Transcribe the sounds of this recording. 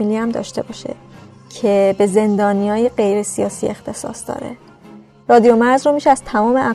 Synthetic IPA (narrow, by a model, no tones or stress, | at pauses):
iːliæmd̪ɒ̰ːʃt̪e̞bɒːʃḛ | cʰe̞be̞ze̞nd̪ɒːnijɒːjeɢe̞jɾe̞sijɒːsḭːe̞xt̪ʰe̞sɒ̰ːsd̪ɒ̰ːɾḛ | rɒːd̪ijo̞mæɾzromiʃeæz̥t̪ʰæmɒːmeʔæ